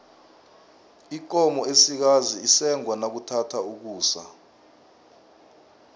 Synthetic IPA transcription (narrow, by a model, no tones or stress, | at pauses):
ik̬ʼɔmɔesik̬aziːsɛŋwanak̬utʰatʰauk̬uːsa̰